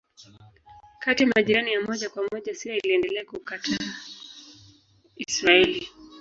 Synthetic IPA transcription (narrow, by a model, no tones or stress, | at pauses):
katimaʄiɾanijamɔʄakwamɔʄasiailiɛndɛlɛakukatʰa | isɾaɛli